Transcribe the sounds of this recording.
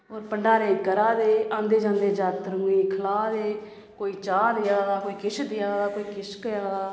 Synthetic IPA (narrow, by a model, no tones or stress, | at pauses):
oːɾpəɳɖaːɾeːkəɾaːd̪eːãːnd̪eːd͡ʒãːnd̪eːd͡ʒaːt̪ɾũːiːkʰəlaːd̪eː | koːiːt͡ʃaːd̪ɪjaːd̪aːkoːiːkɪʃd̪ɪjaːd̪aːkoːiːkɪskəjaːd̪aː